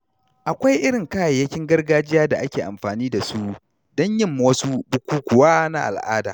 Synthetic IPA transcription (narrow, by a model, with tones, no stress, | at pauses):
ʔa˨kʷa˦jʔɪ˦ɽɪ˨ŋkaː˦ja˨jːɐ˦kʲɪ˦ŋɡɐ˦rɡaː˦d͡ʒɪ˦jaː˦da˨ʔa˦kʲeː˨ʔa̰˨mɸaː˨niː˦da˨su˦ʔ | dɔ˦ɲjɪ˦mːu˨wɐ˦su˦bʊ˦kʷuː˦kʷʊ˨waː˦na˦ʔa̰˨lʔa̰ː˦da̰ː˨